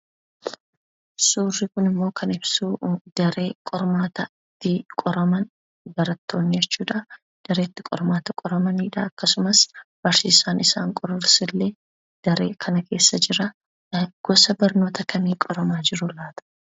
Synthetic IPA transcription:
suːrːɪkʊnɪmːo̞ːkʰɐnɪbsuːd̪̥ɐɾe̞ːkʼɔɾmaːt̪ɐ | t̪ːɪkʼɔɾɐmɐn | bɐɾɐt̪ːo̞ːɲːɛt͡ʃːuːᶑɐ | d̪̥ɐɾeːt̪ːɪkʼɔ̰ɾmaːt̪ɐkʼɔɾɐmɐniːᶑɐːkːɐsʊmɐsb̥ɐɾsɪsaːnɪsaːŋkʼɔɾɐɾsɪlːe̞ː | d̪̥ɐɾe̞ːkʰɐnɐke̞ːsːɐd͡ʒɪɾɐ | ɡ̥ɔsɐbɐɾno̞ːt̪ʰɐkʰɐmiːkʼɔɾɐmaːd͡ʒɪɾʊlaːt̪ɐ̥

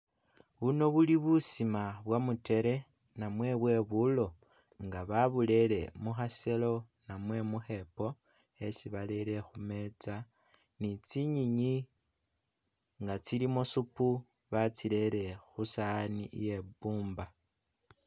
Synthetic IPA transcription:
βuno̞βuliβusimaβwamute̞ɾe̞ | namwe̞βwe̞βulo̞ | ŋɡaβaβule̞le̞muxase̞lo̞ | namwe̞muxe̞po̞ | e̞siβale̞ɾe̞xume̞t͡sa | nit͡siɲiɲi | ŋɡat͡silimosupu | βat͡sile̞ɾe̞xusanije̞buːmba

